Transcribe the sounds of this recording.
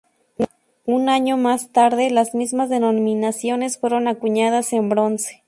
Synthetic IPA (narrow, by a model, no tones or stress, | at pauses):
unaɲomast̪aɾðe̞lazmizmazðenomĩnasjo̞ne̞sfwe̞ɾo̞nakuɲað̞ase̞mbɾo̞nse̥